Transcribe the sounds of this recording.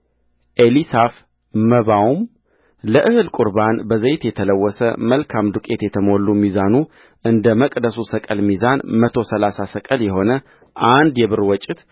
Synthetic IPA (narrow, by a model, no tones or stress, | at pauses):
ʔelisaf | məβawum | ləʔɨhɨlkʼʊɾbanbəzejt̪jɛt̪ʰələwːɔsə̰məlkʰamd̪ukʼe̞t̪jɛt̪ʰəmo̞lːumizanu | ʔɨnd̪əməkʼd̪əsusəkʼəlmizanmət̪ʰo̞səlasasəkʼəljɛho̞nə | ʔand̪jɛβɨɾwɔt͡ʃʼːɪt̪